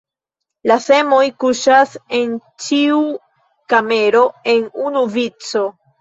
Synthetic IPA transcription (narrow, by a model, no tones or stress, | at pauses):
lase̞mo̞jkuʃase̞nt͡ʃiu | kame̞ɾo̞e̞nunuvit͡so̞